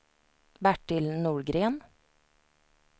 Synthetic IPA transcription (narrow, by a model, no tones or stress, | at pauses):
bæʈɪlnuːɹɡɾeːn